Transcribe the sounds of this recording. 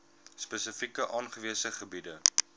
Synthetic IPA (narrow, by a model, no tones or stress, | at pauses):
spəsəfikəʔɑːnχəviəsəχəbidə